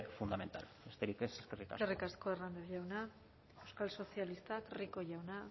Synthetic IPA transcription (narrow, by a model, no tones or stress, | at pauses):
fund̪ament̪a̰lbest̪eɾikeseskerika̰erikasko̞erand̪eʝawna | ewskalso̞sialist̪akriko̞ʝawna